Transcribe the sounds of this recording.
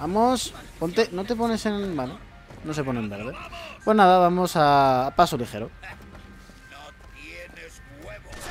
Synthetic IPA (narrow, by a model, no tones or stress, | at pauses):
amospo̞nt̪enot̪e̞po̞ne̞se̞nbalo | nose̞ponembe̞ɾðe̞pwe̞znaðaβ̞amo̞saːpasolixe̞ɾo